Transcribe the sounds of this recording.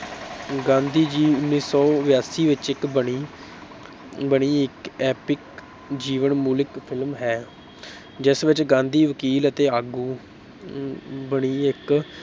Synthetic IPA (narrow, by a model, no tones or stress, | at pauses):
ɡãːnd̪iːd͡ʒiːʊnːiːsɔːʋjaːsiːʋɪt͡ʃɪkbəɳiː | bəɽ̃iːɪkɛːpɪk | d͡ʒiːʋənmuːlɪkpʰɪlmɦɛː | d͡ʒɪsʋɪt͡ʃɡãːnd̪iːʋəkiːlət̪eːaːɡuː | bəɽ̃iːɪk